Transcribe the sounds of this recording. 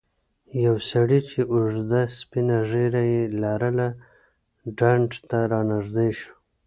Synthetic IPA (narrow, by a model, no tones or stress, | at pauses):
jawsaɽit͡ʃʰeʔuʐd̪aspinaʐeɾajelaɾəla | ɖaɳʈt̪aɾɑnaʐd̪ejʃu̥